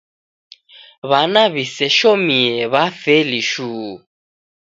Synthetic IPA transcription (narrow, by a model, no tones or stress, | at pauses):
βanaβisɛʃomiɛβafɛliʃuː